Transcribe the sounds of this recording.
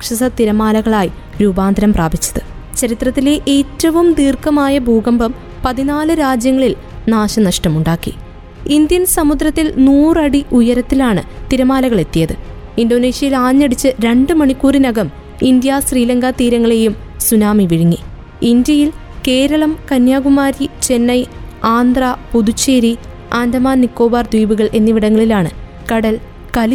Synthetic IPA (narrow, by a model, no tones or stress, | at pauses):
ɐkʂɐsɐt̪iɾɐmaːlɐɣɐɭaːji | ɾuːbaːnd̪ʱɐɾɐmpraːbʱit͡ɕːɐ̥ðɨ | t͡ɕɐɾit̪rɐt̪ːile̞ʔeːtːɐʋumd̪iːrkɐmaːjɐbʱuːɡɐmbɐm | pɐðinaːlɨɾaːd͡ʑjɐŋːɐɭil | naːɕɐnɐʂʈɐmuɳɖaːkːḭ | ind̪jɐnsɐmud̪ɾɐt̪ːilnuːrɐɽiʔujɐɾɐt̪ːilaːɳɨt̪iɾɐmaːlɐɣɐɭe̞t̪ːijɐðɨ | indo̞ːne̞ːɕjɐjilaːɲːɐɽit͡ɕːɨɾe̞ɳɖɨmɐɳikːuːrinɐɣɐm | ind̪jasriːlɐŋɡat̪iːɾɐŋːɐɭe̞jum | sunaːmiʋiɻiŋːi | ind̪jɐjil | ke̞ːɾɐɭɐmkɐnjaːɣumaːɾit͡ɕe̞nːɐjaːnd̪rapud̪ut͡ɕːeːɾi | aːnd̪ɐmaːnnikːo̞ːbaːrd̪wiːbuɣɐɭʔe̞nːiʋiɽɐŋːɐɭilaːɳɨ | kɐɽɐl | kɐl